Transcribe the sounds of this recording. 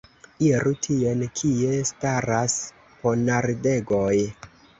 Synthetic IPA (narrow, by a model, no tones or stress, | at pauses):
iɾutʰie̞nkʰie̞staɾas | ponaɾde̞ɡoj